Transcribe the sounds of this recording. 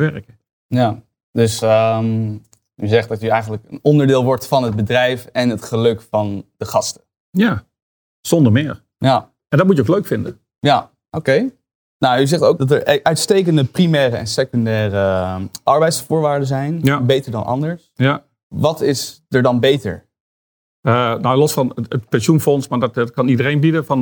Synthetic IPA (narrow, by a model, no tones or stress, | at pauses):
ʋɛrkə | ja | dɵsəm | yzɛχtdɑtyɛjχənləkə̰nɔndəɹdɪːlˠʋɔɹtfɑnɦəd̚bədrɛjfɛnɦətχəlɵkfɑnd̥əχɑstə̥ | ja | z̥ɔndəɹmɪːɹ | ja | ɛndɑt̚mutjəowkløɥkfɪndə | ja | ʔowkej | nayzɛχtowkdɑtəɹʔœɥtstejkəndəprimɛːrəɛ̰nsekɔndɛːrəʔɑɹbɛjtsfʊːɹʋaːɹdəzɛjnjabejtəɹdɑ̰nʔɑ̰ndəɹsja | ʋɑtɪsdəɹdɑnbejtə̰ɹ | ənawlɔsfɑnətpɛnsjunfɔnsmaːɹdɔttkɑnidərẽjnbidəfɑn